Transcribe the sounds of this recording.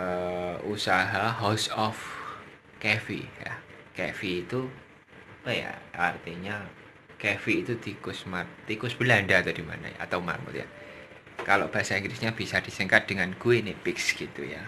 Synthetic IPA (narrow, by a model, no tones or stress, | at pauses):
əusaɦaɦosɔf | kefḭja̰kefiːt̪u | aja̰art̪iɲa | kefiːt̪ud̪̥ikʊsmat̪̚t̪ikʊsb̥əlaɳɖat̪ɔd̥ima̰na̰ja̰a̰t̪awma̰rmṵt̪ja̰ | kaloʔb̥aɦasaĩŋɡlɪsɲab̥isad̪̥isəŋkat̪̚d̪̥əŋankuenɪpɪksɡ̥it̪ṵja̰